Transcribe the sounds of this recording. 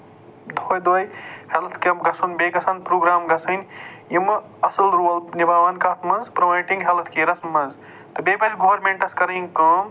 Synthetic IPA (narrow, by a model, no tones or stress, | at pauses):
d̪ʱoːjd̪ojhelɐt̪ʰkmɡɐsʰɐnbeːɡɐsʰanpɾoːɡɾaːmɡɐsɐnjimɐ | ɐsɐlɾolnibaːʋɐnkaːt̪ʰmɐnzpɾɐʋɐjʈĩŋɡɦelɐt̪ʰkeɾɐsmɐnz | t̪ɐbebɐlɡoʋɐɾmẽɳʈɐskɐɾɐnkɐm